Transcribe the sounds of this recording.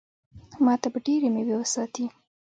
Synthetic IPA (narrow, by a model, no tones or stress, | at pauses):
mɑt̪abaɖeɾemewewəsɑt̪i